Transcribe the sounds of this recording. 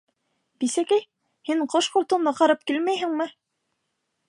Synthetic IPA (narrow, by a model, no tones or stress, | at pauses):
bisækæj | hiɴqoʃqŏlt̪ɤ̆wnɤqɑɾɤp̚kilmæjɦɘ̆ŋmɘ